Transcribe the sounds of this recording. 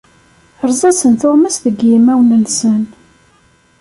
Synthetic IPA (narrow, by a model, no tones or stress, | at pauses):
ɾˤzˤæsənθoʁmæsðəɡjimæwnənsən